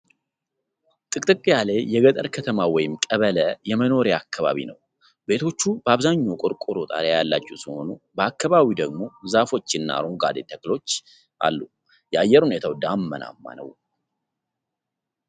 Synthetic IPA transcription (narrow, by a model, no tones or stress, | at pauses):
t̪ʼɨkʼt̪ʼɨkʼijale̞jɛɡət̪ʼəɾkʰət̪ʰəmawɔjɪmkʼəβələjɛməno̞ɾjakʰːaβa̰βḭnəw | be̞t̪ʰo̞t͡ʃːubəaβzaɲːokʼʊɾkʼʊɾot̪ʼa̰ɾejalːat͡ʃːɛwsiho̞̰nubəakːaβaβid̪əɡmo̞zafo̞t͡ʃːɪnːa̰ɾuɡa̰d̪et̪ʰəklo̞t͡ʃː | ʔa̰lːu | jɛajːɛɾhune̞t̪ʰawd̪amːəna̰mːa̰nə̰w